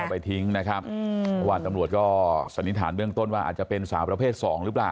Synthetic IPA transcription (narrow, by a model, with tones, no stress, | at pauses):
pa˧jt̪ʰi˦˥ŋna˦˥kʰɾa˦˥p̚a˧waː˨˧nt̪a˧mɾu˨˩ət̪̚kɔː˥˩sa˨˦nːi˦˥t̪ʰaː˩˦nbɯ˥˩əŋt̪o˥˩nwaː˥˩ʔa̰˨˩t̪̚t͡ɕa˨˩pe˧nsaː˩˦wpɾa˧pʰeː˥˩t̪̚sɔː˩˦ŋɾɯː˦˥plaː˨˩